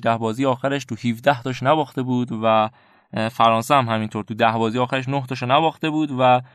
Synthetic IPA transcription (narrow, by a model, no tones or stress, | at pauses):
d̪æhbɒːzijeɒːxæɾeʃt̪ʰuhiːvd̪æht̪ɒːʃnæbɒːxt̪e̞buːd̪væ | fæɾɒːnsehæmhæmint̪ʰoɾt̪ʰud̪æhbɒːzijeɒːxæɾeʃnoht̪ʰɒːʃonæbɒːxt̪e̞buːd̪væ